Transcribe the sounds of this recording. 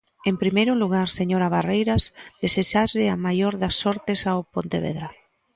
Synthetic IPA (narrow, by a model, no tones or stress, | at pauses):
empɾimejɾuluɣaɾseɲoɾaβarejɾazd̪eseʃazɪamajoɾðasːɔɾt̪esaopont̪eβ̞ḛðɾa